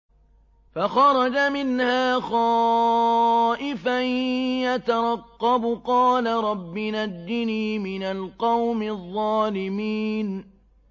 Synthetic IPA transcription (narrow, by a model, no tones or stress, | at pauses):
faxɑɾˤɑd͡ʒamɪnhaːxɑː | ʔɪfajjat̪aɾˤɑqːɑbqɑːlaɾˤɑbːɪnad̪ːɪniːmɪnalqɑwmɪðˤːɑːlɪmiːn